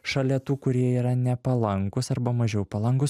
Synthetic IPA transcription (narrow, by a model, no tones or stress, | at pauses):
ʃɐlʲɛt̪uːkʊɾʲiɛiːɾɐnʲɛpɐlˠɐŋkʊsɐɾbɐmɐʒʲɛʊpɐlˠɐŋkʊs